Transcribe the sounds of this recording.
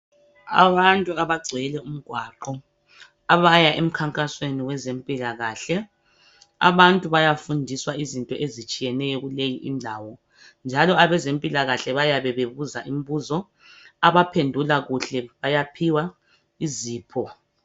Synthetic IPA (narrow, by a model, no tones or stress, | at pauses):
a̰βantʼuaβaɡ͡ǀʱɛlɛum̩ɡ̥ʱwaǃɔ | aβajaʔem̩kʰaŋkʼasweniwɛzempʼilaɣaːɬɛ | a̰βantʼuβajafundʱiswaizintʼɔʔezit͡ʃʼijɛnɛjɔɣulejiʔindʱaːwɔ | nd͡ʒʱalɔaβɛzempʼilaɣaɬɛβajaβɛβeβuzaʔim̩βuzɔ | aβapʰendʱulaɣuɬɛβajapʰiwa | iziːpʰɔ